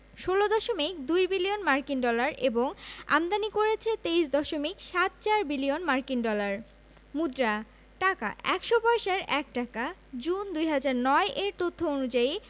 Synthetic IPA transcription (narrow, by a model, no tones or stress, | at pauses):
ʃolod̪ɔʃomik̚d̪ujbilionmaɾkinɖɔlaɾʔeboŋa̰md̪anikoɾet͡ɕʰet̪ejʃd̪ɔʃomikʃat̪̚t͡ɕaɾbilionmaɾkiŋɖɔlaɾ | mud̪ɾa | ʈaka̰ʔɛkʃopɔeʃaɾʔɛk̚ʈakad͡ʑund̪ujɦad͡ʑaɾnɔeʔeɾt̪ot̪ʰːoonud͡ʑai